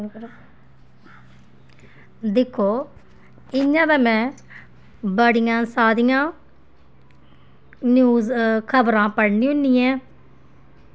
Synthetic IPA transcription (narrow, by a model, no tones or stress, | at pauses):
d̪ɪkʰːoː | ɪɲãːbɛːmɛ̃ː | bəɽɪjãːsaːd̪ijãː | njuːzkʰəbɾãːpəɽnĩːɦʊ̃nːiːɛ̃ː